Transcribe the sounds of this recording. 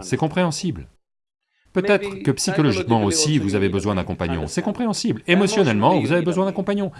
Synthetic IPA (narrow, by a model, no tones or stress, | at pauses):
sɛkɔ̃pχeɑ̃sibl | pøt̪ɛt̪χkəpsikɔlɔʒikmɑ̃osivuzavebəzwɛ̃d̪ɛ̃kɔ̃paɲjɔ̰̃sɛkɔ̃pχeɑ̃siblemɔsjɔnɛlmɑ̃vuzavebəzwɛ̃d̪ɛ̃kɔ̃paɲjɔ̃